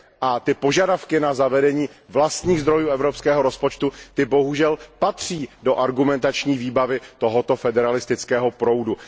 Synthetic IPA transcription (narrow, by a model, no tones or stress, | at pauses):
ʔat̪ɪpo̞ʒadafkɪnazavɛdɛɲiːvlast̪ɲiːɣzd̪ɾo̞juːɛvɾo̞pskɛːɦo̞ɾo̞spo̞t͡ʃt̪ut̪ɪbo̞ɦuʒɛlpat̪r̝̥iːdo̞ʔaɾɡumɛnt̪at͡ʃɲiːviːbavɪt̪o̞ɦo̞t̪o̞fɛdɛɾalɪst̪ɪt͡skɛːɦo̞pɾo̞wdu